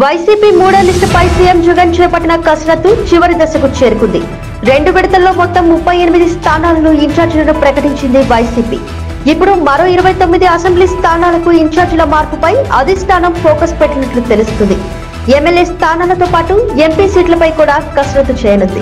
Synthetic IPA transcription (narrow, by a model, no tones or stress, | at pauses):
ʋɐjsiːpiːmuːɽɐlisʈpɐjsiːjemd͡ʒuɡɐnt͡ʃɛːpɐʈːinɐkɐsɾɐt̪ːut͡ʃiʋɐɾid̪ɐsɐkut͡ʃeːɾukund̪ḭ | ɾe̞ɳɖuʋiɽit̪ɐlːo̞ːmɔt̪ːɐmːupːɐjenimid̪ist̪ʰaːnaːlɐnuiɲt͡ʃaːɾd͡ʒlɐnupɾɐkɐʈiɲt͡ʃind̪iʋɐjsiːpḭː | ipːuɽumɐɾo̞ːiɾɐʋɐjt̪o̞mːid̪iɐsembliːst̪ʰaːnaːlɐkuiɲt͡ʃaːɾd͡ʒulɐmaːɾpupɐjɐd̪ʱisʈ̪ʰaːnɐmpʰoːkɐspeʈːinɐʈlut̪e̞lust̪und̪i | emːeljeːst̪ʰaːnaːlɐt̪o̞ːpaːʈue̞mpiːsiːʈlɐpɐjkuːɽaːkɐsɾɐt̪ːut͡ʃɛːjɐnund̪ḭ